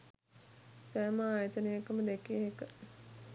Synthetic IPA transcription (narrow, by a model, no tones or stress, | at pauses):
sæːməaːjət̪ənəjəkəməd̪ekeːɦekə